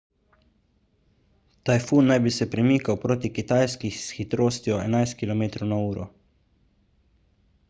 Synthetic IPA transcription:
t̪ajfunːajbisɛpɾɛmiːkawpɾoːt̪ikit̪aːjskixsxit̪ɾoːst̪iɔɛ̰najst̪̚kilɔmeːt̪ɾɔwnauːɾɔ̰

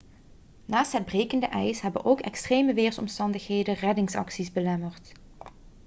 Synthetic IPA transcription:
naːstɦəd̚brejkəndəʔɛjsɦɛbənʔowkɛ̰kstreːjməʋeːrsɔ̰mstɑndəxɦejdərɛdɪŋsɑ̰ksizbəlɛmərt

